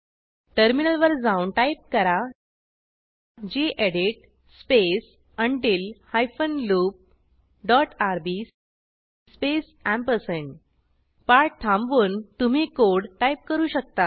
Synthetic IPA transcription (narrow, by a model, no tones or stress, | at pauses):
ʈəɾminəlʋəɾd͡zãunʈaip̚kəɾa | d͡ʑiʔeɽiʈ | spes | əɳʈiːlhajfənluːp̚ | ɖɔʈaɾbi | spes | æ̃mpəɾseɳʈ | paɾʈ̚t̪ʰãmʋuːnt̪um̤iːkoɽʈaip̚kəɾuːɕək̚t̪a